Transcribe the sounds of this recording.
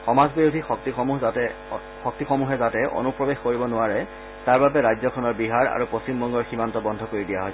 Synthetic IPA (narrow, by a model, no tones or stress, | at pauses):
xɔmazbiɹudʱixɔk̚tixɔmu | xɔk̚tixɔmuɦɛzatɛʔo̰nupɹɔbexkoɹibɔnʊaɹɛ | taɹbabɛɹajzɔkʰɔnɔɹbiɦaɹa̰ɹuposimbɔŋɡɔɹximantɔbɔndʱɔkoɹidijaɦɔj